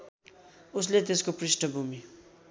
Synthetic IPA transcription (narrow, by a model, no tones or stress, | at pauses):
uslet̪eskoprisʈʌbʱumi